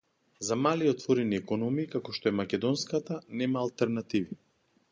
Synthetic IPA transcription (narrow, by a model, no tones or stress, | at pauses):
zamaliɔt̪vɔɾɛniɛkɔnɔmiːkakɔʃt̪ɔɛmakʲɛd̪ɔnskat̪anɛmaːlˠt̪ɛɾnat̪ivi